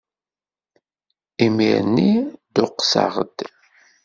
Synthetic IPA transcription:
imiɾənːid̪ʊqːsa̰ʁə̰d̪̥

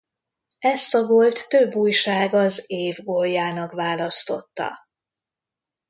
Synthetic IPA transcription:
ɛst̪ɒɡo̞lt̪ːøbːuːjʃaːɡɒzeːvɡojːaːnɒkvaːlɒst̪o̞̰t̪ːɒ̰

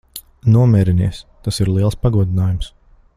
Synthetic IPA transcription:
nuɔmʲɛːɾiniɛst̪asiɾlˠiɛlˠspaɡuɔd̪inaːjums

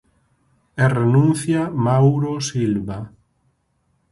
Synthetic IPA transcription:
ɛrenũnθjamawɾosilβa

